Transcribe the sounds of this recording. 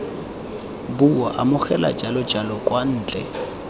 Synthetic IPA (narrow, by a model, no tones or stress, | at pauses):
buwaʔamʊχɛla̰t͡ʃʼalʊd͡ʒalɔkʼwan̩ːt͡ɬʼɛ̰